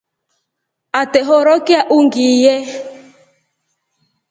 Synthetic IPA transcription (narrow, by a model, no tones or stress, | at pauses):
atɛɦɔɾɔkɪaʔuŋɡiːjɛ